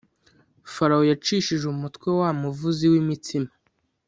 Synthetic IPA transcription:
faɾaojat͡ʃiʃiʒumutkwewamuvuziwimitima

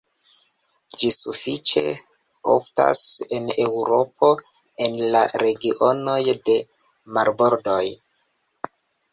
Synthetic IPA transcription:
d͡ʒisufit͡ʃe̞̰ | o̰fta̰se̞ne̞wɾo̞pʰo̞ | e̞nlaɾe̞ɡiʔono̞jde̞ | maɾboɾdo̞j

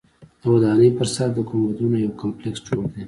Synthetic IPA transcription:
d̪̥əwad̪ɑnəjpəɾsaɾd̪əkomwad̪unajawkampleksd͡ʒoɽd̪e

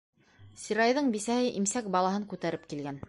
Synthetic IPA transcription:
sʲiɾɑjðɤɴbisæhɘʔimsæk̚bɑlˠɑhɤŋkʉt̪æɾɘp̚kilɡæn

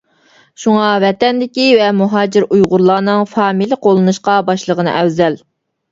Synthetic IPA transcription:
ʃuŋɑvɛt̪ɛnd̪ɪkʲivɛmuɦɑːd͡ʒɪɾujʁʊɾlˠɑːnɨŋfɑːmilˠəqʰolˠɨnuʃqɑbɑʃlˠəʁənɨ̰ʔɛwzɛl

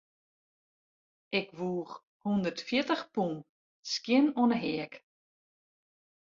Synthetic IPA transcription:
ʔɪkʋuːχ | hundərtfjɪtəxpun | skjɪnɔnəɦɛək

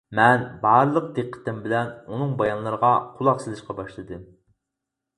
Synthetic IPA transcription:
mɛnbɑɾlˠəq̚d̪eqʰːə̥t̪ɪmbɪlɛnunɨŋbɑjɑnlˠɑɾəʁɑqʰulˠɑqsɨlˠɨʃqɑbɑʃlˠɨd̪ɨm

